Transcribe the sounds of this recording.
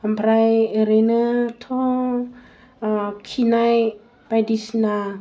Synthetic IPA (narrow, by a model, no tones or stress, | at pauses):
ampʰɾajeɾenət̪ʰɔ | kʰinaj | pajdisna